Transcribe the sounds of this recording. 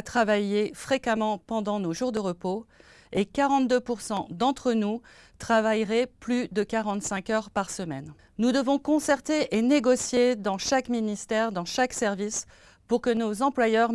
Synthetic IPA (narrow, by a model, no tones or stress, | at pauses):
t̪χavajefχekamɑ̃pɑ̃d̪ɑ̃noʒuʁd̪əʁəpo | ekaʁɑ̃t̪̚d̪øpuʁsɑ̃d̪ɑ̃t̪χənu | t̪χavajʁɛplyd̪əkaʁɑ̃t̪sɛ̃kœʁpaʁsəmɛn | nud̪əvɔ̃kɔ̃sɛʁt̪eʔeneɡɔsjed̪ɑ̃ʃakminist̪ɛʁd̪ɑ̃ʃaksɛʁvis | puʁkənozɑ̃plwajœʁ